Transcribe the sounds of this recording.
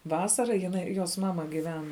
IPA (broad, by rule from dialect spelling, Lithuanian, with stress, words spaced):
ˈʋɑːsɐrɐ jɪˈnɐɪ joːs ˈmɑːmɐ ɡʲɪˈʋʲɛn